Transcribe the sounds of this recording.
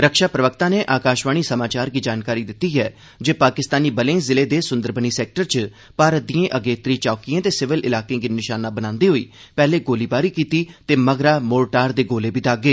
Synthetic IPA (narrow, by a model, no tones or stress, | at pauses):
ɾəkʃaːpɾəʋək̚t̪ãːneːʔaːkaːʃʋaːɽ̃iːsəmaːt͡ʃaːɾɡiːd͡ʒaːnkaːɾiːd̪ɪt̪ːiːɦɛː | d͡ʒeːpaːkɪst̪aːniːbəlẽːzɪleːd̪eːsʊ̃nd̪əɾbəniːsɛːk̚ʈəɾt͡ʃ | paːɾəd̪iẽːʔəɡeːt̪ɾiːt͡ʃaːkijãːt̪eːsɪʋɪlɪlaːkẽːɡiːnɪʃaːnaːbənãːnd̪iːɦoːḭː | pɛːleːɡoːliːbaːɾiːkiːt̪iːt̪eːməɡɾaːmoːɾʈaːɾd̪eːɡoːleːbiːd̪aːɡeː